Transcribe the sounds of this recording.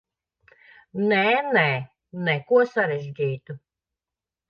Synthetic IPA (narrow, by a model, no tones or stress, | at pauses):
nɛnɛ | nɛkuɔsaɾɛʒdʲiːt̪u